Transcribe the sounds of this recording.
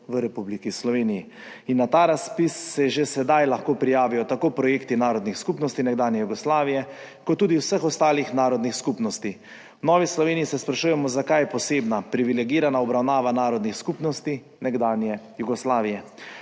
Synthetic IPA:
ʋəɾɛpublikislɔʋeːniji | inːat̪aːɾaspisːɛʒesɛd̪ajlaxkoːpɾijaːʋijɔt̪akoːpɾɔjeːkt̪inaːɾɔd̪nixskupnɔst̪inɛɡd̪aːnjɛjuɡɔslaːʋijɛ | kɔt̪ːuːd̪iwsəxɔst̪aːlixnaːɾɔd̪nixskupnɔst̪i | wnɔːʋislɔʋeːnijisɛspɾaʃuːjɛmɔzakajɛpɔseːbnapɾiʋilɛɡiːɾanaɔbɾawnaːʋanaːɾɔd̪nixskupnɔst̪i | nɛɡd̪aːnjɛjuɡɔslaːʋijɛ

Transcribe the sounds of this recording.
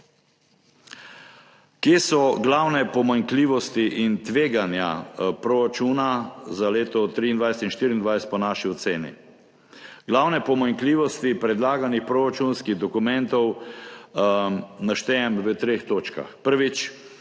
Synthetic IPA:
kjeːsɔɡlawnɛpɔmaŋkliːʋɔst̪iʔint̪ʋeːɡanja̰pɾoɾat͡ʃuːnazaleːt̪ɔt̪ɾiːnd̪ʋajsɛ̥t̪inʃt̪iːɾiːnd̪ʋajsɛt̪̚pɔnaːʃiɔt̪seːnḭ | ɡlawnɛpɔmaŋkliːʋɔst̪ipɾɛd̪laːɡanixpɾoːɾat͡ʃunskiɣd̪ɔkumɛ̃nt̪ɔw | naʃt̪ɛɛmʋət̪ɾeːxt̪oːt͡ʃka̰xpəɾʋit͡ʃ

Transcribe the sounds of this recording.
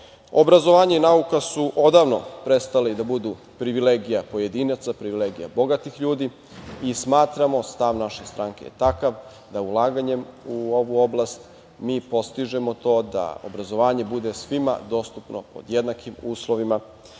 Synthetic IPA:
o̞bɾazo̞ʋaːɲeinaukasuʔo̞d̪aːʋno̞̰pɾe̞st̪aled̪abud̪u | pɾiʋileːɡijapo̞je̞d̪iːnat̪sapɾiʋileɡija̰bo̞ɡat̪ixʎuːd̪i | ismaːt̪ɾamo̞st̪aʋnaʃe̞st̪ɾaːŋke̞jḛt̪akaʋ | d̪aulˠaːɡaɲe̞muo̞ʋuo̞blˠast̪ | miːpo̞st̪iʒemo̞t̪o̞ːd̪a̰o̰bɾazo̞ʋaːɲe̞bud̪esʋima̰d̪o̞ːst̪upno̞̰po̞̰d̪jed̪nakimuːslo̞ʋima

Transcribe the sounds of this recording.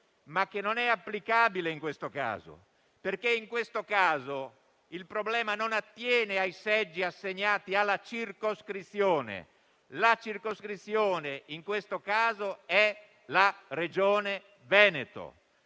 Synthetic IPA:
makːenːonɛapːlikaːbileiŋkwest̪oka̰ːzo̰ | perkeiŋkwest̪okaːzo | ilpɾoblɛːmanonat̪ːjɛːneajsɛd͡ʒːiasːeɲːaːt̪ialːat͡ʃirkoskɾit̪sːjoːnḛ | lat͡ʃirkoskɾit̪sːjoːneiŋkwest̪okaːzoɛ | lared͡ʒɔːne | vɛːnet̪o̰

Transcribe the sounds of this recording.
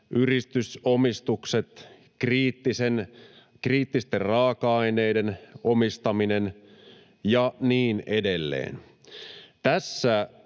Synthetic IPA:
ʔyrist̪ysomist̪ukset̪ | kriːt̪ːisen | kriːt̪ːist̪errɑːkɑɑineːdenomist̪ɑminen | jɑniːnedelːḛːn | t̪æsːæ

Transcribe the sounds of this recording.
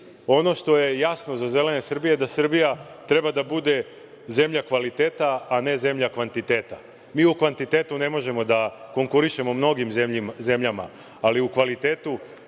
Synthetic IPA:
o̞no̞ʃt̪o̞je̞jasno̞zaze̞le̞ne̞sr̩bijed̪asr̩bija | t̪ɾe̞bad̪abud̪e̞ | ze̞mʎakʋalit̪e̞ːt̪aːne̞ze̞mʎakʋant̪it̪e̞ːt̪a | miːukʋant̪it̪e̞ːt̪une̞mo̞ʒe̞mo̞d̪ako̞ŋkuɾiʃe̞momno̞ɡimmze̞mʎama̰ː | liukʋalit̪e̞ːt̪u

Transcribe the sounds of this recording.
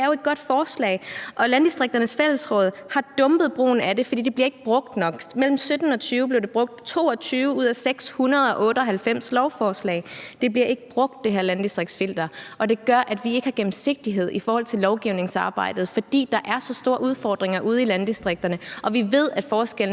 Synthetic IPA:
ɐjoe̝d̥̚ɡ̥ɒ̽d̥fɒːslɛ̰ɪʔɒ̽lænd̥isd̥ʁeɡ̚d̥ɐnəsfel̰l̩sʁɔ̽ːð̞̰ˠhɑ̈d̥ɔ̽mb̥ð̞̩ˠb̥ʁo̝̰ːn̩æd̥e̝fɒ̽d̥ḭːd̥ebliɐe̝ɡ̥əb̥ʁɔ̽ɡ̥̚d̥nɒ̽ɡ̥mel̰m̩sød̥n̩ɒ̽t͡sʰyːʊəble̝ɐd̥e̝b̥ʁɔ̽ɡ̥̚d̥t͡sʰo̝̰ːɒ̽t͡sʰyːʊəuð̞̰ˠæseɡ̥shunɐðˠɒ̽ʔɔ̽ːɾəɒ̽ɦælfem̰slɒʊfɒːslɛ̰ɪd̥e̝b̥liɐe̝ɡ̥əb̥ʁɔ̽ɡ̥̚d̥ːe̝ɦeɐ̰lænd̥isd̥ʁeɡ̥̚sfel̰d̥ɐʔɒ̽d̥e̝ɡ̥ɶɐʔæd̥ʋie̝ɡ̥hɑ̈ɡ̥em̩se̝ɡ̥̚d̥iɦe̝ð̞̰ˠʔifɒːhɒ̽l̰t͡sʰe̝lːɒʊɡ̥iʊ̰ne̝ŋsɑ̈ːb̥ɑ̈ɪ̰d̥ð̞̩ˠfɒ̽d̥ḭːd̥ɑ̈ʔæɐsɒ̽sd̥o̝ːɐʔuð̞ˠfɒːd̥ʁeŋɐʔuð̞ˠilænd̥isd̥ʁeɡ̥̚d̥ɐnəʔɒ̽ʋiʋe̝ð̞̰ˠæd̥fɒːsɡ̥el̰n

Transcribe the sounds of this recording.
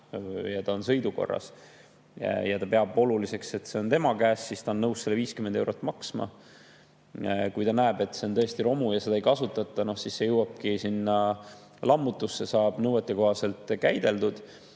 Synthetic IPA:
jɑt̪ɑonsɤ̞jd̪uko̞̰rːɑ̰s | jɑt̪ɑpeɑbo̞lulise̞kse̞t̪ːse̞o̞nt̪e̞mɑkæːsːist̪ɑonːɤwsːelːeviːskyme̞nd̪e̞wɾot̪ːˑmɑksmɑ̰ | kujt̪ɑnæeb̥e̞t̪ːˑse̞o̞nt̪ɤ̞est̪iɾo̞mujɑse̞d̪ɑejkɑsut̪ːˑɑt̪ˑːɑno̞hsisːe̞jɤwɑb̥̚kisinːɑ | lʔɑmːut̪ːˑusːe̞sɑːb̥nɤwet̪ːˑeko̞hɑse̞lt̪ːˑkæjd̪̥e̞ld̪ud̪̥

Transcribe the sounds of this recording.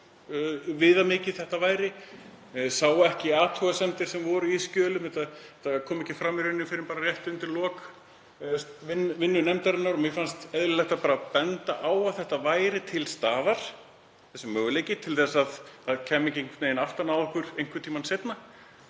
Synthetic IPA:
vɪːðamɪːcɪθɛht̪avaːjɾɪ | saːwaɛhcɪaːt̪ʰuɣasɛmt̪ɪɾ̥sɛmvɔɾʏiscœːlʏmɛt̪aɛt̪ːakʰɔːmɛhcɪfɾamːɪɾʏnːɪmfɪɾɪmpaːɾarjɛht̪ʏʏnt̪ɪɾlɔːk | vɪnːvɪnːʏnɛmt̪aɾɪnːaɾɔmɪfanst̪ɛðɾɪlɛjht̪apaːɾapɛnt̪aʔaːwawθɛht̪avaːjɾɪt̪ʰɪlst̪aːðaɾ̥ | θɛsːʏmːœːɣʏlejcɪt̪ʰɪlθɛsːaðaðcʰɛːmːɪɲcɪŋkneːjɪnaft̪anawðɔhkvʏɾ̥ejŋ̥kvʏt̪ʰiːmansejt̪na

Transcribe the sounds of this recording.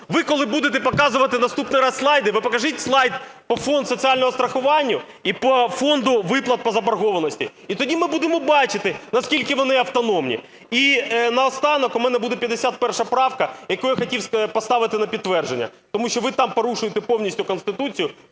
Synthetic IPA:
ʋɪkɔlˠɪbud̪ɪt̪ɛpɔkɑzʊʋɐt̪ɪnɐst̪upnɪjɾɑsslˠɑjd̪ɪʋɪpɔkɐʒɪtʲslˠɑjd̪̚pɔfɔnd̪sɔt͡sʲiɑlʲnɔɦɔst̪ɾɐxʊʋɑnʲːʊ | ipɔfɔnd̪ʊʋɪplˠɐt̪̚pɔzɐbɐrɦɔʋɐnɔsʲtʲi | it̪ɔdʲimɪbud̪emɔbɑt͡ʃɪt̪ɪnɐskʲilʲkɪʋɔnɪɐwt̪ɔnɔmnʲḭ | inɐɔst̪ɑnɔkʊmɛnɛbud̪ɛpʲjɐd̪ːesʲat̪̚pɛrʃɐpɾɑwkɐjɐkɔjxɐtʲiwspɔst̪ɑʋɪt̪ɪnɐpʲid̪̚t̪ːʋɛrʒenʲːɐ̰t̪ɔmuʃt͡ʃɔʋɪt̪ɑmpɔɾuʃʊjet̪ɛpɔwnʲisʲtʲʊkɔnst̪ɪt̪ut͡sʲijʊ

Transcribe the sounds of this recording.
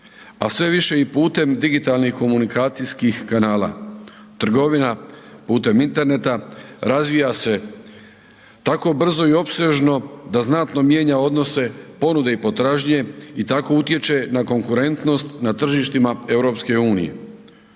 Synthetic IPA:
asʋe̞ʋiʃe̞ipuːt̪e̞md̪iɡit̪alˠnixko̞munikaːt̪sijskixkanaːlˠa̰t̪r̩ɡo̞ʋinapuːt̪e̞mint̪e̞ɾne̞t̪aɾazʋijase̞ | t̪ako̞br̩zo̞io̞pseʒno̞d̪aznat̪no̞mje̞ːɲao̞d̪no̞se̞po̞nud̪e̞ipo̞t̪ɾaːʒɲe̞it̪ako̞ut̪je̞t͡ʃe̞nako̞ŋkuɾe̞nt̪no̞st̪nat̪r̩ʒiʃt̪imae̞wɾo̞pske̞uːnḭje̞̰

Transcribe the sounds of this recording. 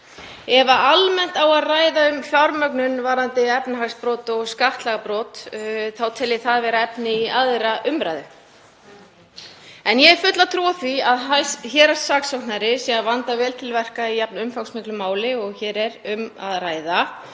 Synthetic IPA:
ɛvaʔalmɛn̥t̪awaðraːjðaʏmfjawɾmœknʏnvaɾant̪ɪɛpnaɦaɣspɾɔːt̪ɔɣskaht̪laɣapɾɔːt̪θawt̪ʰɛlɪθaðvɛːɾaɛpnɪiaðɾaʔʏmpɾajðʏ | ɛnjɛɛɾfʏt̪lat̪ʰɾuwaθviaðaçɛːɾasːaːksɔwnaɾɪsɛavant̪avɛːlt̪ʰɪlvɛr̥kaiɛp̚nʏmfawksmɪklʏmaːwlɪɔɣçɛːɾɛɾʏma̰ðraːjða

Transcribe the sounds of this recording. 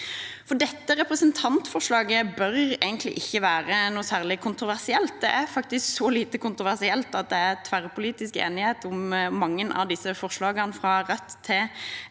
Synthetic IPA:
fɔɖɛt̪ːəɾɛpɾəsənt̪ʰɑnt̪fɔʁʂlɑːɡəbœɾeɪɡənt̪lɪ̰ʔɪçːəʋæːɾənuːsæːʁlɪkʰʊnt̪ɾʁʊʋæʁsɪɛlt̪̚d̪ɛʔæɾfɑk̚t̪ɪsksɔliːt̪əkʰʊnt̪ʁʊʋæʁsɪɛlt̪ɑt̪̚d̪ɛæʁt̪ʰʋæʁpʰʊliːt̪ɪskḛːnɪheːt̪ʊmːɑŋːənʔɑ̰ʋd̪ɪsːəfɔʁʂlɑːɡənfʁɑɾɛt̪ʰːɪ

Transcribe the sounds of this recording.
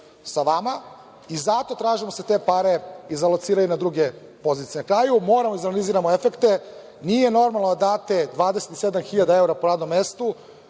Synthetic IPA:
saʋama | izat̪o̞t̪ɾaːʒimo̞set̪e̞ːpaɾe̞izalot̪siːɾajunad̪ɾuɡe | po̞zit̪ijnakɾaːjumo̞ːɾamoizanaliziːɾamoefekt̪e | nijeno̞ɾmalˠnod̪ad̪aːt̪e̞d̪ʋaːd̪ese̞t̪i̥se̞d̪amxiʎad̪ae̞uɾapoɾaːd̪no̞mːest̪u

